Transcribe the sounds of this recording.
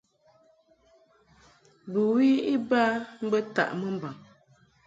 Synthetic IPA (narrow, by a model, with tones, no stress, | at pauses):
bə˨wi˦i˦baː˦m̩˦bə˦ta̰˨ʔmə˦m̩˨ba˨ŋ